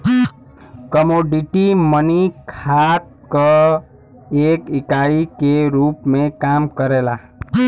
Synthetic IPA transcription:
kəmoɖiʈimənikʰat̪̚ | kə | ekikaikeɾupmekamkəɾela

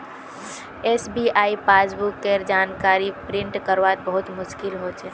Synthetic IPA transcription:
eːsbiʔaːipaːsbukːeɾd͡ʒaːnkaːɾipɾɪ̃ɳʈkəɾʋat̪̚bəɦʊt̪mʊʃkɪlɦot͡ʃʰe

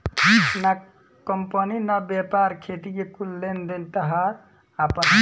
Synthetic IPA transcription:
na | kəmpəninabepaɾkʰet̪ikekulːend̪elt̪əɦaɾ | apə

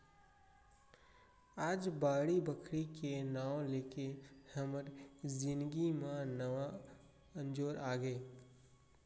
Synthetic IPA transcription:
aːd͡ʒbaːɽibəkʰɾikenaːwleːkehəməɾzɪ̃nd̪ɡimãnəʋa | ə̃nd͡ʒoːɾʔaːɡeː

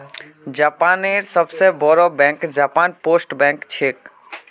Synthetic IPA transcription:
d͡ʒaːpaːneːɾsəbsebɔɾɔbɛ̃ːŋkd͡ʒaːpaːnpoːsʈbɛ̃ːŋkt͡ʃʰeːk

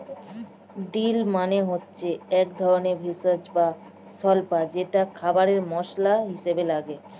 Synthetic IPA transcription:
ɖilmaneɦotːɕʰeɛkd̪ʱɔɾoneɾbʱisad͡ʑba | sɔlpad͡ʑeʈakʰabaɾeɾmɔʃlaɦiʃebelaɡe

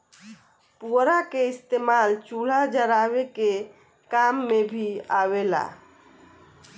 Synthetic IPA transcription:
puɾakeist̪emalt͡ʃul̤ad͡ʒəɾaβeke | kamːebʱiawela̰

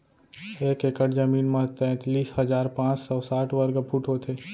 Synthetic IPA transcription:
eːkekəʈd͡ʒəmiːnmãt̪ɛ̃ːt̪liːshəd͡ʒaːɾpãːt͡ʃsɔːsaːʈʰʋəɾɡpʰuʈot̪ʰeː

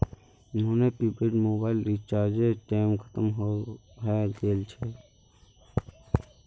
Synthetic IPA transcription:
ʊnɦonepiːbeʈmoːbaːɪlɾit͡ʃaːɾd͡ʒeʈɛːmkʰə̥t̪əmɦo | ɦɛd̪eːlt͡ʃʰɛ

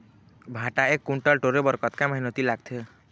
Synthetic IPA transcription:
bʱãʈaekːuɳʈəlʈoɾebəɾkət̪kaməɦinot̪ilaɡt̪ʰe

